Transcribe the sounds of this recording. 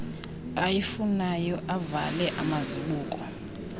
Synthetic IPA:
ajifunajɔʔava̰lɛʔamaziɓuːk̬ʼɔ

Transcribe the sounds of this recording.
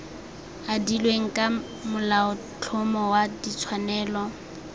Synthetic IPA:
adilweŋ̩kʼa | mʊlaʊ | t͡ɬʰʊmɔwadit͡sʰwanɛːlɔ

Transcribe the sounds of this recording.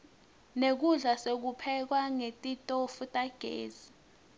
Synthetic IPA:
nek̬uɮasek̬upʰɛk̬waŋetʼitʼofutʼaɡ̥ʱḛːz̥i

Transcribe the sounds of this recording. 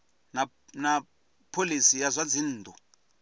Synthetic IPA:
na | na | pʰolisijazʷad͡zin̩ːtʰʼu

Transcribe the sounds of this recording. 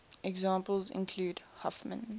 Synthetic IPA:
ʔɛɡzɑ̃ːmpəlˠzɪ̰̃nkʰl̥uːdhafmə̰̃n

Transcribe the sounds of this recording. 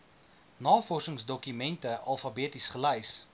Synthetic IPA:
nɑːfɔrsəŋsdɔkymɛntəʔɐlˠfɐbiətisχəlɛjs

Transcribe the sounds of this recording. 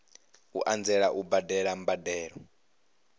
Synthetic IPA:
ṵʔand͡zɛɺaʔubadɛɺambadɛːɺɔ

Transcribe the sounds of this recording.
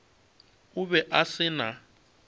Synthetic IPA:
ʊβɛʔasɪna

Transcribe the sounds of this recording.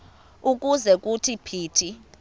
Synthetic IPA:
uk̬uzɛk̬utʰipʰiːtʰi

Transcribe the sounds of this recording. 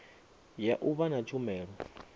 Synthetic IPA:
jaʔuβanat͡ʃʰʼumɛːɺɔ

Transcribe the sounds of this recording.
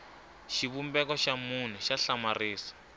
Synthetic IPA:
ʃiβumbɛkɔʃamun̤ɛʃaɬamariːsḁ

